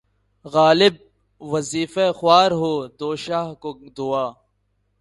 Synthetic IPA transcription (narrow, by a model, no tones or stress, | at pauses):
ɣaːlɪb̚ | ʋɐziːfexʊaːɾɦoːd̪oːʃaːɦkod̪ʊaː